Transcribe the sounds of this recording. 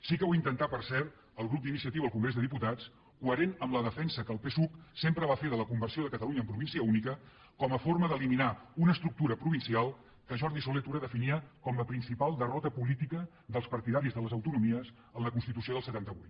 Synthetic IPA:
sikəwaint̪ənt̪apəɾsɛɾt̪ | əlˠɣɾup̚d̪inisiət̪iwəəlˠkuŋɡɾezðəðiput̪at͡s | kuəɾenəmləðəfɛnsəkəlˠpesuksempɾəβ̞afeðələkumbərsioðəkət̪əluɲəːmpɾuβinsiəunikə | kɔməforməðəliminaunəst̪ɾuk̚t̪uɾəpɾuβinsialˠ | kəʒɔɾðisulet̪uɾəðəfiniəkɔmləpɾinsipalˠd̪ərɔt̪əpulit̪ikə | ðəlˠspəɾt̪iðaɾizðələzəwt̪unumiəs | ənləkunst̪it̪usioð̞əlˠsət̪ant̪əβujt̪

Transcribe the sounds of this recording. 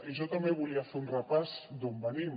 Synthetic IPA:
iʒɔt̪ambeβuliafeunrəpazd̪ombənim

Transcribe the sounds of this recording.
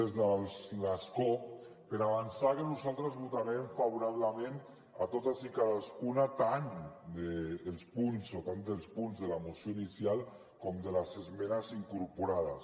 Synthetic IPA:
ezðaslasko | peɾaβ̞ansakenuzalˠt̪ɾazβut̪aɾemfaβuɾaβlamẽn | at̪ot̪azikaðaskunat̪and̪eːlˠspunzot̪and̪elˠspunzðelamusjoinisjalˠ | komd̪elasezmenasiŋkuɾpuɾaðas

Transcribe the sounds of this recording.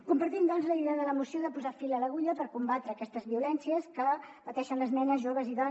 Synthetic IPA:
kumpəɾt̪imd̪ɔnzləiðɛəðələmusioðəpuzafiləːləɣuʎəpəɾkumbat̪ɾəːkɛst̪əzβiulɛnsiəskəpət̪ɛʃənləznɛnəzʒoβəziðɔn

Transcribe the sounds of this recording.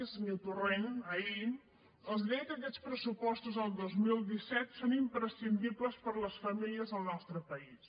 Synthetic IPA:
zniwt̪urenəi | əlˠzɛjəkɛt͡spɾəsupɔst̪uzəlˠd̪ozmilˠd̪isɛt̪sonimpɾəsind̪ibləspəɾləsfəmiliəzðəlˠnɔst̪ɾəpəis

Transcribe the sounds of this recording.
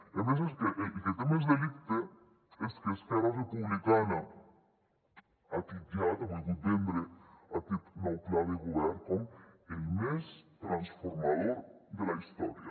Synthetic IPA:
emes̬es̬keʔket̪emezd̪elikt̪e | eskesk̪aɾarepuβlikana | at̪id̪jat̪awed̪ut̪embɾeat̪it̪nowklaðeɣuβɛɾkoŋelmest̪ɾansfoɾmaðoɾd̪elaist̪ɔ̰ɾja̰

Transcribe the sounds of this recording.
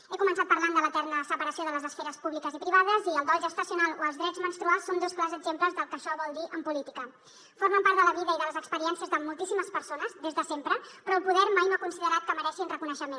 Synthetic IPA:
ekumənsat̪̚pəɾland̪ələt̪ɛɾnəsəpəɾəsioðələzəsfɛɾəspuβlikəzipɾiβað̞əziəlˠd̪ɔlʒəst̪əsiunalˠoəlzðɾɛd͡zmənst̪ɾualˠsːond̪osklazəɡzempləzðəlˠkəʃɔβɔlˠd̪iʔəmpulit̪ikə | foɾməmpaɾt̪d̪ələβiðəiðələzəkspəɾiɛnsiəzðəmːulˠt̪isiməspəɾsonəzðezðəsempɾəpɾɔəlˠpuðɛɾmajnoakunsiðəɾat̪̚kəməɾɛʃinrəkunəʃəmen

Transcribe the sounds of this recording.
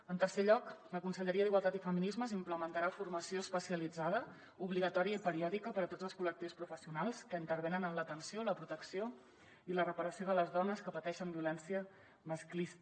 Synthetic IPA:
ənt̪ərseʎɔkləkunsəʎəɾiəðiɣwalˠt̪at̪ifəminizməzimpləmənt̪əɾafurməsioəspəsiəlid͡zaðə | uβliɣət̪ɔɾiəipəɾiɔðikəpəɾət̪odd͡zəlˠskulək̚t̪iwspɾufəsiunalˠskəint̪əɾβ̞enənənlət̪ənsioləpɾut̪əksio | ilərəpəɾəsioðələzðɔnəskəpət̪ɛʃəmbiulɛnsiə | məsklis

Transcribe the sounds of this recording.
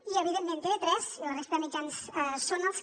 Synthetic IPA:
iəβiðemmẽnt̪eet̪ɾɛzilərɛst̪əðəmid͡ʒansɛsonəlˠs

